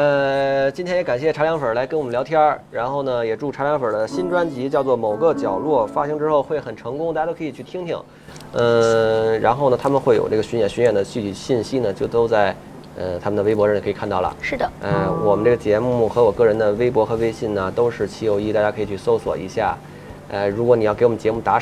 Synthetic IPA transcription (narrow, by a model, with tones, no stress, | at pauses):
ə˧t͡ɕi˥nt̪ʰɛ˥njɛ˧˥ka˨˩nɕjɛ˥˩ʈ͡ʂʰa˧˥ljɑ˧˥ŋfə˞˨˩la˧˥ɪkə˥nwɔ˨˩mə˦ljt̪ʰjɑ˥ɻa˧˥nxo˥˩ʊnə˩jɛ˨˩ʈ͡ʂu˥˩ʈ͡ʂʰa˧˥ljɑ˧˥ŋfə˞˨˩d̪ə˦ɕi˥nʈ͡ʂwa˥nt͡ɕi˧˥t͡ɕjɑ˥˧ʊt͡swɔ˥˩mo˨˩ʊɡə˧t͡ɕjɑ˨˩ʊlwɔ˥˩fa˥ɕi˥ŋʈ͡ʂɻ̩˥xo˥˧ʊxwe˥˩ɪxə˨˩nʈ͡ʂʰɤ˧˥ŋkʊ˥ŋt̪a˥˩˧a˥t̪o˥kʰɤ˧˥i˨˩t͡ɕʰy˥˩t̪ʰi˥ŋt̪ʰḭ˥˩ŋ̩˥˧ | ɻa̰˧˥nxo˥˩ʊnə˩t̪ʰa˥mə˨xwe˥˩jo̰˨˩ʊʈ͡ʂɤ˥˩ɡə˩ɕy˧˥jɛ˨˩nɕy˧˥nɥɛ˨˩nd̪ə˦t͡ɕy˥˧˩t͡ɕi˧˩ɕi˥˧nɕi˥nə˨t͡ɕjo˥˧ʊt̪o˥ʊt͡sa˥˩ɪ | ə˧t̪ʰa˥mə˨nd̪ə˩we˥ɪpwɔ˧˥ɻkʰi˨˩kʰa˥˧nt̪ɑ˥˩lə̰˩ʂɻ̩˥˩d̪ə˩a˥˧wɔ˨˩mə˦nʈ͡ʂɤ˥˩ɡə˩t͡ɕjɛ˧˥mu˥˩xɤ˧˥wɔ˨˩kɤ˥˩ɻə˧˥nd̪ə˧we˥ɪp̬wɔ˧˥xɤ˧˥we˥ɪɕi˥˩nə˩t̪o˥ʊʂɻ̩˥˩t͡ɕʰi˧˥o˧˥ʊi˥t̪a˥˩t͡ɕja˥kʰɤ˧˥i˨˩t͡ɕʰy˥˩so˥ʊswɔ̰˨˩ḭ˧˥ɕja̰˥˩ | a˥˩ɻu˧˥kwɔ˧˥ni˨˩jɑ˥˩kɪwɔ˨˩˧t͡ɕjɛ˧˥wm˧˥˩t̪a˧˥